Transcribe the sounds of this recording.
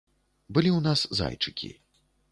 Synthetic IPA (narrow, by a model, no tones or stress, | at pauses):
bɨlʲiwnasza̰jt͡ʂɨ̥kʲḭ